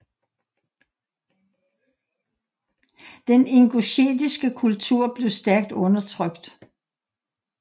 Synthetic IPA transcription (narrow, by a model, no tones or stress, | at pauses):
d̥ene̝ŋɡ̥o̝ɕḛːd̥isɡ̥əkʰult͡sʰuɐ̰b̥le̝ʊsd̥æɐɡ̥̚d̥ɔ̽nɐt͡sʰʁœɡ̥d̥